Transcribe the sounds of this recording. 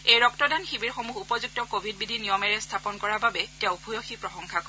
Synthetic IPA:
ejɹɔktɔdanxibiɹxomuxupɔzuk̚tɔkobʱid̚bidʱinijɔmɛɹɛstʰapɔnkɔɹababɛtɛʊ̃bʰʱujoxipɹɔxɔŋkʰakɔ

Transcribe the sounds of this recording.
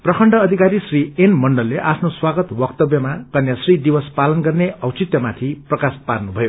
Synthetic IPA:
prʌkʰʌɳɖʌːd̪ʱikaɾisrienmʌɳɖʌlːeʔapʰnoswaɡʌt̪bʌkt̪ʌbjʌmakʌnjasrid̪ibʌspalʌnɡʌrneʌwt͡sit̪jʌmat̪ʰiprʌkasparnubʱʌjo

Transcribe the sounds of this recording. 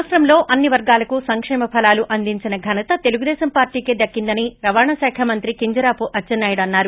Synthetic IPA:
sɾɐmlo̞ːʔɐnːiʋɐɾɡaːlɐkusɐŋkʂɛːmɐpʰɐlaːluʔɐnd̪iɲt͡ʃinɐɡʱɐnɐt̪ɐt̪e̞luɡud̪ɛːʃɐmpaːɾʈiːked̪ɐkːind̪ɐniɾɐʋaːɳɐsaːkʰɐmɐnt̪ɾikiɲd͡ʒɐɾaːpuʔɐt͡ʃːɐnːɐjiɽɐnːaːɾu

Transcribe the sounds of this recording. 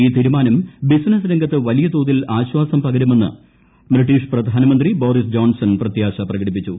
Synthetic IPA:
iːt̪iːɾumaːnɐmbisnɐsɾeŋɡɐt̪ːɨʋɐlijɐt̪oːðilaːɕwaːsɐmpɐɡɐɾume̞nːɨ̰ | briʈːiːʂprɐd̪ʱaːnɐmɐnd̪ribo̞ːɾisd͡ʑo̞ːnsɐnprɐt̪jaːɕɐprɐɣɐɽip̬ːit͡ɕːu

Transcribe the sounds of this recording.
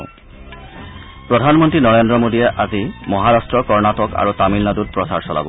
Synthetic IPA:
pɹɔdʱanmɔntɹinɔɹendɹɔmodijɛʔazimɔɦaɹastɹɔkɔɹnatɔka̰ɹutamilnadut̚pɹɔsa̰ɹsɔla̰bɔ

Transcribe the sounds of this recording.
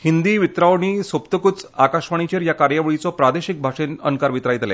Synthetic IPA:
hind̪iːʋit̪ɾaʋɳ̃iːsopt̪əkut͡sakaʂʋaɳ̃it͡ɕeɾjakaɾjaʋɭit͡sɔpɾad̪eɕik̚bʱaʂenə̰nkaɾʋit̪ɾajt̪lɛ̰

